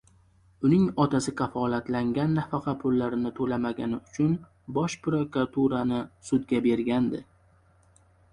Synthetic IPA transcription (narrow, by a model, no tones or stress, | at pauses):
ʊnɪŋɒt̪ʰasɪkʰɑfɒlat̪laŋɡʲanːafɑqʰɑpʰʊlːaɾɪnɪt̪ʰɵlamaɡʲanɪʊt͡ʃʰʊn | bɒʃpɾokɾat̪ʰuɾanɪsʊd̪ɡʲabe̞ɾɡʲand̪ɪ